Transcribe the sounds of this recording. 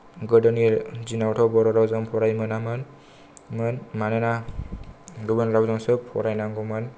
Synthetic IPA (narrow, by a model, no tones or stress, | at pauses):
ɡɯdɔnizinawtʰɔbɔɾɔɾawzɔmpʰɔɾajmɯnamɯn | mɯnmanena | ɡɯbɯnɾawzɔŋsɯppʰɔ̰ɾajnaŋɡɔman